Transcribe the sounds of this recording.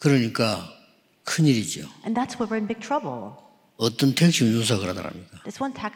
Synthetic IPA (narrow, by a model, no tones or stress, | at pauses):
kɯɾʌɲik͈a | kʰɯniɾid͡ʑo̰ɨ̃nðætswə˞wəɹɨ̃nbɪɡ̚tʰɹ̥ʌbl̩ˠ | ʌt͈ʌntʰek̚ɕ͈umɲos̬ʰakɯɾada̰ɾa̰mɲikaðɨswʌ̃ntʰæk